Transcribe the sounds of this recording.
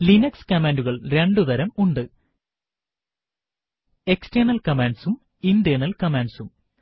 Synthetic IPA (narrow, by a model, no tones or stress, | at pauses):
linɐkskɐmeːnduɣɐɭɾe̞ɳɖuðɐɾɐmuɳɖɨ | e̞ksʈenɐlkɐmaːɳɖsum | indeːnɐlkɐmaːɳɖsum